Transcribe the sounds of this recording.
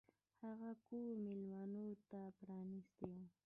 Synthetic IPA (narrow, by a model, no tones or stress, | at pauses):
hɑɢɑkuːmɪlmanut̪apɾaːnɪst̪ew